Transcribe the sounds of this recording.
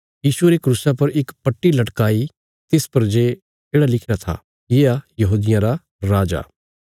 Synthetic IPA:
jiːsueɾekɾusapɐɾɪkpɐʈːilɐʈkaːi | t̪ɪspɐɾd͡ʒeː | d͡ʒeːɽalɪkʰɾat̪ʰa̰ː | jeːajɐɦuːd̪ɪjãɾa | ɾaːd͡ʒa̰ː

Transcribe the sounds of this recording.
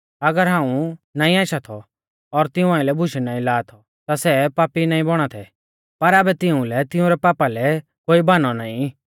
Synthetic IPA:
ɐɡəɾɦãːũnaːĩaːʃat̪ʰɔ | ɔɾt̪ɪʊ̃ãːĩlɛbʱʊʃɛnãːĩlaːt̪ʰɔ | t̪asɛpaːpinaːĩbɔɽ̃at̪ʰɛ | pɐɾaːbɛt̪ɪũlɛt̪ɪũɾɛpaːpalɛ | koːibaːnɔnaːĩ

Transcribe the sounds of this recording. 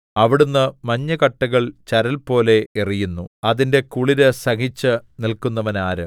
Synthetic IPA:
ɐʋiɽunːɨmɐɲːɐkɐʈːɐɣɐɭt͡ɕɐɾɐlpo̞ːle̞erijunːuɐðinde̞kuɭiɾɨsɐhit͡ɕːɨnilkunːɐʋɐnaːɾɨ̰

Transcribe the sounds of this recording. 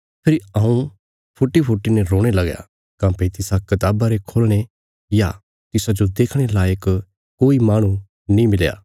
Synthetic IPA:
pʰɪɾɐ̃ũ | pʰʊʈːipʰʊʈːinɛɾoːɽ̃elɐɡja̰ | kãːpet̪ɪsakɐt̪aːbaɾekʰoːlɽ̃e | ja | t̪ɪsad͡ʒod̪eːkʰɽ̃elaːjək | koːimaːɽ̃ũ | nĩmɪlja̰ː

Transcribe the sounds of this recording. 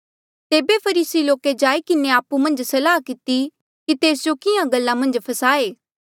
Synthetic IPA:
t̪eːbepʰɐɾiːsiloːked͡ʒaːikɪneaːpumɐ̃nd͡ʒsɐlaːkɪt̪i | kit̪eːsd͡ʒokɪjãɡɐlːãmɐ̃nd͡ʒpʰɐsaːeː

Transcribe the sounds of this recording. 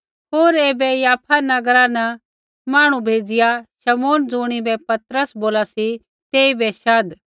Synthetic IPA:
ɦoːɾeːbɛjaːpʰanɐɡɾanɐ | maːɽ̃ũbʱeːd͡zɪjaʃɐmoːnd͡zuːɽ̃ibɛpɐt̪ɾəsboːlasi | t̪eːibɛʃɐd̪

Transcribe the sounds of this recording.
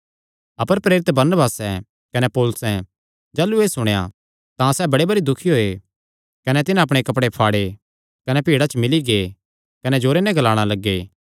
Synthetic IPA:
ɐpəɾpɾeːɾɪt̪bɐɾnəbaːsɛ | kɐnɛpoːlʊsɛ̃ | d͡ʒaːlueːsʊɽ̃eja̰ | t̪ãsɛːbɐɽebɐɾid̪ʊkʰiɦoːe | kɐnɛt̪ɪnãɐpɽ̃ekɐpɽepʰaːɽe | kɐnɛpiːɽat͡ʃmɪliɡeː | kɐnɛd͡ʒoːɾenɛ̃ɡɐlaːɽ̃alɐɡːeː

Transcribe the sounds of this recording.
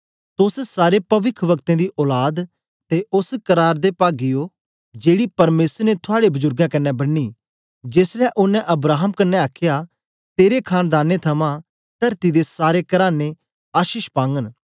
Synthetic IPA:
t̪ʊssaːɾepɐʋɪkʰʋɐkt̪ẽd̪iʔɔːlaːd̪ | t̪eʔʊskɐɾaːɾd̪epaːɡɪjo | d͡ʒeːɽipɐɾmeːsəɾnet̪ʰʊaːɽebʊzʊɾɡãkɐnːɛbɐnːi | d͡ʒeːslɛʔʊnːɛ̃ʔɐbɾaːɦəmkɐnːɛaːkʰja | t̪eːɾekʰaːnd̪aːnːet̪ʰɐmã | t̪ɐɾt̪id̪esaːɾekɐɾaːnːe | aːʃiʃpãːŋɡən

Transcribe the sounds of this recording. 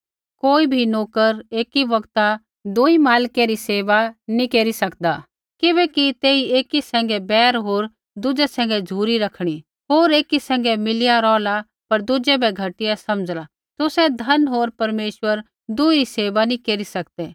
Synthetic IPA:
koːibʱinoːkəɾeːkiʋɐɡt̪a | d̪ʊimaːlkeɾiseːʋanĩkeːɾisɐkd̪aː | kɪbɛːkit̪eːieːkisɛ̃ːŋ̆ɡɛbɛːɾɦoːɾ | d̪ʊd͡ʒɛsɛ̃ːŋ̆ɡɛd͡ʒʱuːɾiɾɐkʰɽ̃i | ɦoːɾeːkisɛ̃ːŋɡɛmɪlɪjaɾɔːla | pɐɾd̪ʊd͡ʒɛbʱɛɡʱɐʈɪjasɐmd͡ʒla | t̪ʊsɛd̪ʱɐnɦoːɾpɐɾmeːʃʋəɾ | d̪ʊiɾiseːʋanĩkeːɾisɐkd̪ɛː

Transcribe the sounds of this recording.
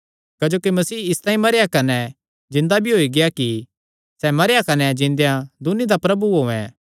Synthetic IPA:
kɐd͡ʒoːkimɐsiːɪst̪ãːĩmɐɾejakɐnɛ | d͡ʒɪ̃nd̪abʱiɦoːiɡɪjaki | sɛmɐɾjakɐnɛd͡ʒɪ̃nd̪ejãd̪ʊnid̪apɾɐbuɦoːɛ̰̃

